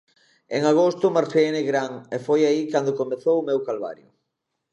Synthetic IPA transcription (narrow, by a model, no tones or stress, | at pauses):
eŋaɣ̞ost̪ʊmaɾfeeneɣɾaŋefojaikand̪ʊkomeθowʊmewkalβa̰ɾjʊ̰